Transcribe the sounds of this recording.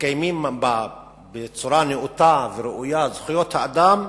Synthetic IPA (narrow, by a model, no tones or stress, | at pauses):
kajmimba | bet͡suɾaneʔut̪aveɾeʔujazχijot̪haad̪am